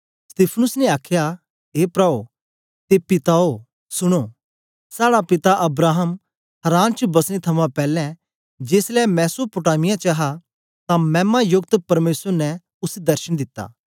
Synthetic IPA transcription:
st̪iːpʰnʊsnɛaːkʰja | ɦeːpɾaːo | t̪epɪt̪ao | sʊɽ̃oː | saːɽapɪt̪aʔɐbɾaːɦəm | hɐɾãːnt͡ʃbɐsɽ̃it̪ʰɐmãpɛːlɛ̃ | d͡ʒeːslɛmɛːsopʊʈaːmɪjãt͡ʃɐɦa | t̪ãmɛ̃ːmajʊɡ̚t̪pɐɾmeːsəɾnɛ | ʊsd̪ɐɾʃəɽ̃d̪ɪt̪ːa̰ː

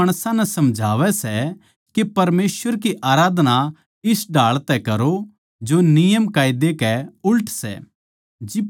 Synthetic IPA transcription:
ɐɽ̃sãnɛsɐmd͡ʒʱaːʋɛsɛ | kepɐɾmeːsʋəɾk̬iʔaːɾaːd̪na | ɪsɖaːɭt̪ɛkɐɾo | d͡ʒonɪjəmkaːid̪ekɛʊlʈʰsɛ̰ | d͡ʒɪ

